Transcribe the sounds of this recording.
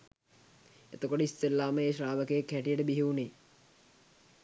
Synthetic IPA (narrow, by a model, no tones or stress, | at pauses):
ḛt̪əkoʈəist̪elːaːməeːʃɾaːʋəkejəkːæʈijəʈəbiɦeuneː